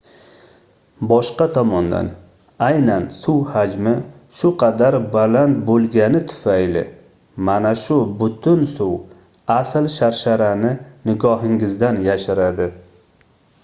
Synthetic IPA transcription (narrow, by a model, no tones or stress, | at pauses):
bɒʃqɑt̪ʰɒmɒnd̪a̰n | ajnansʊwhad͡ʒmɪ | ʃʊqʰɑd̪aɾbalant̪̚bolˠɡʲanɪt̪ʰʊ̥fajlɪ̰ | manaʃʊbʊt̪ʰʊnsʊw | aslʃaɾʃaɾanɪnɪɡɒɦɪŋɡɪzd̪anjaʃaɾad̪ɪ